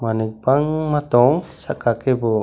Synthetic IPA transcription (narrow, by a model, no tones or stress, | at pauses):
manik̚baŋmat̪ɔŋsakakɛbɔ